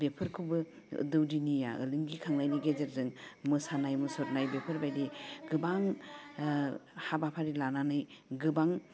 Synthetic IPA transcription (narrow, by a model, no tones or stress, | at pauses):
bepʰɯɾkʰubɯ̰ | dɯwdinija̰ɯ̰lɯŋɡikʰaŋnajniɡed͡ʒeɾzɯŋmɯsanajmɯsɔtnajbepʰɯɾbajdiɡɯbaŋ | habapʰaɾilananɯjɡɯbaŋ